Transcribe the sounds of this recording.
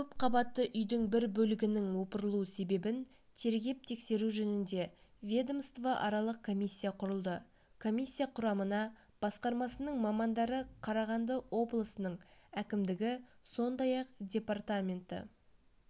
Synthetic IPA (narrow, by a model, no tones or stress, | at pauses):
kʲʰɵpqʰɑbɑt̪ːəʔʏjd̪ɪŋbɪɾbɵlɪɡʲɪnɪŋwo̞pəɾəlˠuəse̞be̞bɪn | t̪ʰe̞ɾɡʲe̞p̚t̪ʰe̞kse̞ɾuʒɵnɪnd̪e̞vʲed̪omst̪vaʔɑɾɑlˠəq̚kʰo̞mʲisʲːijaqʰʊɾəlˠd̪ə | kʰo̞mʲijsʲːijaqʰʊɾɑmənɑ | b̥ɑsqɑɾmɑsənəɴmɑmɑnd̪ɑɾəqʰɑɾɑʁɑnd̪əwʔo̞blˠəsənəɴækʲɪmd̪ɪɡʲɪso̞nd̪ɑjɑqdʲe̞part̪amʲe̞nt̪ɪ̰